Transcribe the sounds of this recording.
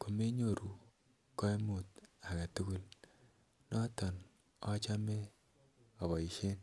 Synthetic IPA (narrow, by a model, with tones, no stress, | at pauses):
ko˨me˦ɲo˨ɾu˨ | kɔ˦e˦mu˨ta˨ka˨tu˦ku˦l | nɔ˦tɔ˨n | ɔ˦t͡ʃa˦me˦ | ɔ˨βɔ˨i˨ʃe˦n